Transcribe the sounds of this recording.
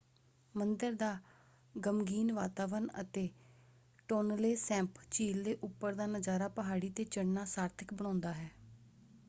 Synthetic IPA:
mənd̪əɾd̪aː | ɡəmɡiːnʋaːt̪aːʋənə̰t̪eː | ʈoːnleːsɛ̃ːmpt͡ʃiːld̪eːʔʊpːəɾd̪aːnəzaːɾaːpəɦaːɽiːt̪eːt͡ʃəɽnaːsaːɾt̪ʰəkbəɽ̃ãːnd̪aːɦɛː

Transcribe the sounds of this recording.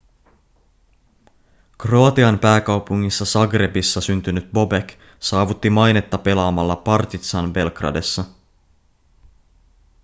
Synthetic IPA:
kroɑt̪iɑmpæːkɑwpuŋːisːɑsɑɡre̞bisːɑsynt̪ynyt̪̚bo̞bek | sɑːʋut̪ːimɑjne̞t̪ːɑpe̞lɑːmɑlːɑpɑrt̪it̪sɑnbe̞lkrɑ̰de̞sːɑ

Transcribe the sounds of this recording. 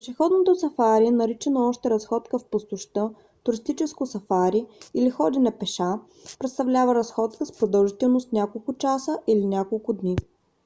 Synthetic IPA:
ʃɛxɔd̪not̪osɐfaɾiɛnɐɾit͡ʃɛnoɔʃt̪ɛɾɐsxɔt̪kəfpost̪ʊʃt̪ɤ | t̪ʊɾist̪it͡ʃɛskʊsɐfaɾiilixɔd̪inɛpɛʃa | pɾɛt̪st̪ɐvlʲavəɾɐsxɔt̪kəspɾod̪ɐlˠʒit̪ɛlˠnʊst̪nʲakolˠkʊt͡ʃasəʔilinʲakolˠkʊd̪ni

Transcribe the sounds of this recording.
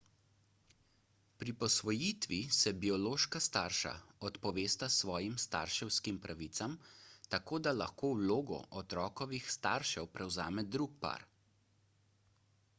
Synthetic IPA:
pɾipɔsʋɔjit̪ʋisɛbiɔloːʃkast̪aɾʃa̰ɔt̪pɔʋeːst̪asʋɔːjimst̪a̰ɾʃɛwskimpɾʔaʋit̪samt̪akoːd̪alaxkoːwloːɡɔ̰ʔɔt̪ɾɔːkɔʋixst̪a̰ɾʃɛwpɾɛwza̰ːmɛd̪ɾuk̚pa̰ɾ

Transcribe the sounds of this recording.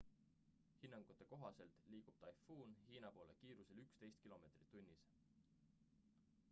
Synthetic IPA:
hinːɑŋɡ̥ut̪ːˑe̞ko̞ɦɑse̞lt̪ˑliːɡ̥ub̥̚t̪ɑjfuːnhiːnɑpo̞ːlekiːɾuse̞lykst̪e̞jst̪̚kilo̞me̞t̪ri̥t̪ːˑunʲːis

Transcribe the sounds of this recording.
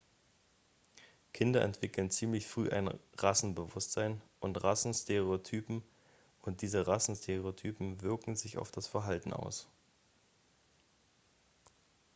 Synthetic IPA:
kʰɪndɐʔɛ̰ntv̥ɪkl̩nt͡siːmlɪçfʁ̥yːʔa̰ɪnʁasn̩bəvʊstz̥aɪnʔʊntʁasn̩stʰeʁ̞eotʰyːpm̩ | ʊnt̚d̥iːzəʁasn̩stʰeʁeotʰyːpm̩vɪɐkŋ̩zɪça̰ʊfd̥asfɛɐɦaltn̩a̰ʊs

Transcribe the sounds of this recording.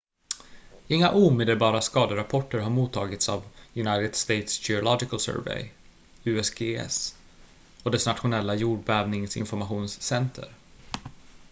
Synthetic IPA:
ɪŋːa̰ʔuːmeːd̪əlbɑːɾaskɑːd̪əɾapʰɔʈːəɾɦaɾmuːt̪ʰːɑːɡɪt̪sa̰vjɵnajt̪ɪd̪̥st̪ejt̪sçɛʊlɔd͡ʒɪkəlsœ̰ːɾvɛ̰j | ʉ̟ːɛsɡeːɛ̰s | ɔd̪ɛsnat̪ɧʊnɛlːajuːɖbɛːvnɪŋsɪ̰nfɔɾmaɧuːnsːɛnt̪ʰə̰ɾ

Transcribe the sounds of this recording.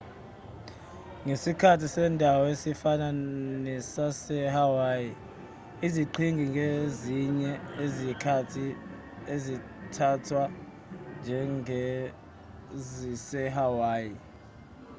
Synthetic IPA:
ŋesikʰatʰisɛːndʱawɔesifananisasɛhawaːji | iziǃʰiŋɡʱiŋɡʱeziɲɛezikʰatʰi | ezi | tʰatʰwa | nd͡ʒʱɛŋɛ | zisɛɦawaːji

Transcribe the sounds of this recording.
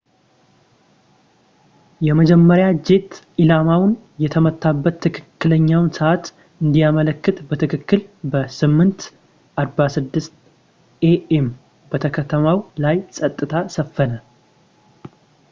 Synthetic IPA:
jɛməd͡ʒɛmːəɾjad͡ʒe̞t̪ | ilamawn | jɛt̪ʰəmət̪ʰːabːət̪ʰːɨkʰɨkːɨləɲːawnsəʔat̪ | ɨnd̪ijamələkːɨt̪bət̪ʰɨkʰɨkːɨlbəsɨmːɨnt̪ | ʔaɾbasɨd̪ːɨst̪ | ʔeʔem | bət̪ʰəkʰət̪ʰəmawlajsʼət̪ʼːɨt̪ʰasəfːənə

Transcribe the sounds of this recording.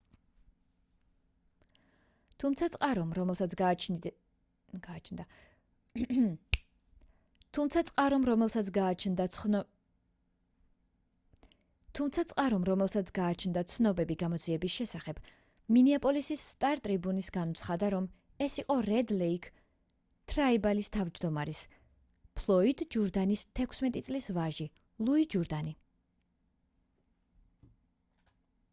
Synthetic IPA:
t̪ʰumt̪sʰat̪sʼqʼaɾɔmɾɔɛlsasɡat͡ʃ | ɡ̥aːt͡ʃʰnd̪a | t̪ʰumt̪sʰat̪sʼqʼaɾɔmɾɔmɛlat͡ʃnd̪ | t̪ʰumt̪sʰat̪sʼqʼaɾɔmɾɔmɛlˠsat̪sʰɡaːt͡ʃʰnd̪at̪sʰnɔbɛbiɡamɔd̪ziɛbisʃɛsaχɛb̥ | miniapʼɔlisisːt̪ʼaɾt̪ʼɾibunisɡanɔt̪sʰχad̪aɾɔm | ɛsiqʼɔɾɛd̪lɛikʰ | t̪ʰɾaibalist̪ʰavd͡ʒd̪ɔmaɾis | pʰlˠɔid̪d͡ʒuɾd̪anist̪ʰɛkʷʰsmɛt̪ʼit̪sʼlisvaʒi | lˠuid͡ʒuɾd̪ani

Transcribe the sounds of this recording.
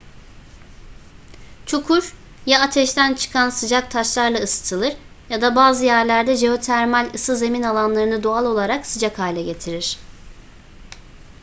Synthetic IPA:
t͡ʃʰukʰuɾ | jaat̪ʰɛʃt̪ʰænt͡ʃʰɯ̥kʰansɯd͡ʒak̚t̪ʰaʃlˠaɾlˠaɯsɯ̥t̪ʰɯlˠɯɾ | jad̪abaːzɯjæɾlʲæɾd̪ɛʒe̞o̞t̪ʰæɾmalʲɯsɯze̞minalˠanlˠaɾɯnɯd̪oalˠo̞lˠaɾaksɯd͡ʒakhaːlʲɛɟe̞t̪ʰiɾiɾ̥

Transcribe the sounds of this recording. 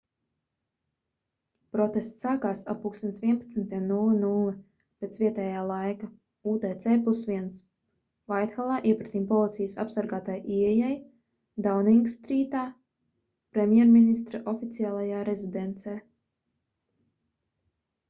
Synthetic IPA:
pɾɔt̪est̪saːkaːsapuːksinsvʲiɛnpḁt̪snt̪iɛmnulˠɨnulˠɨ | pet̪svʲiɛt̪ɛːjaːlˠajka | uːt̪ɛːt̪sɛːpusviɛns | vajt̪xalˠaːʔiɛpɾat̪iːmpɔlˠit̪sijəsa̰psaɾɡaːt̪ajʔiɛjaj | d̪awniŋɡst̪ɾiːt̪aː | pɾemʲjɛɾminis̬t̪ɾaʔɔfit̪siaːlˠajaːɾezid̪ent̪sɛː

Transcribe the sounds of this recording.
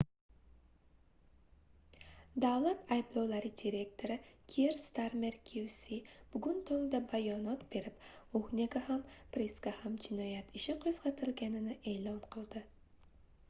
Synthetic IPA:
d̪awlat̪ʰajblˠɒwlaɾɪd̪ʲiɾe̞kt̪ʰo̞ɾɪkʲʰeɾst̪aɾmeɾkʲʰuwsib̥ʊɡʊnt̪ʰɵŋd̪abajɒnɒt̪b̥e̞ɾɪpuhnʲeɡahampɾeskahamd͡ʒɪnɒjat̪ʰɪʃɪqʰoz̥ʁɑt̪ʰɪlɡʲanɪnɪʔe̞ːlˠɒnqʰɨlˠd̪ɪ

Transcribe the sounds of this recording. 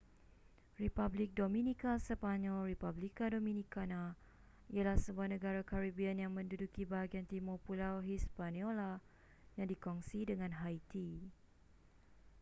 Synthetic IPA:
ripablik̚domĩnikasəpaɲɔlripablikadomĩnikana | ialahsəbuahnə̃ɡaɾakaɾibianjaŋmə̃ndudukibaɦaɡiant̪imɔpulawɦispaniɔla | jaŋdikɔŋsidəŋãnɦajt̪i

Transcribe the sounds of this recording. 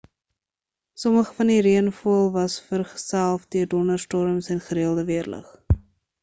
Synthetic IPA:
sɔməχə̥fɐndiɾiənfuəlˠvɐsfərχə̥sælˠfdyərdɔnərstɔɾəmsɛnχəɾiəlˠdəviərlə̰χ

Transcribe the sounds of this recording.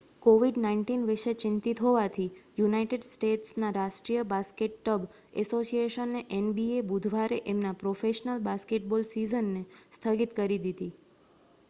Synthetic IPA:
koʋiɖnainʈinʋɪʃet͡ʃɪnt̪it̪ɦoʋat̪ʰijunaiʈeɖsʈeʈsnaɾaʃʈɾijəbaskeʈkəb | ɛ̰sosieʃənːeʔenbiebud̪ʱʋaɾeʔemnapɾofeʃnəlbaskeʈ̚bolsizənːest̪ʰəɡit̪kəɾid̪id̪i

